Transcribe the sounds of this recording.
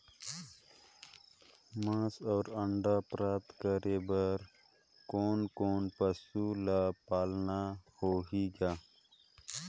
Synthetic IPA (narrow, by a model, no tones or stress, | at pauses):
mãːsoːɾəɳɖapɾaːt̪kəɾebəɾ | koːnkoːnpəsulapaːlnahoːɦiɡaː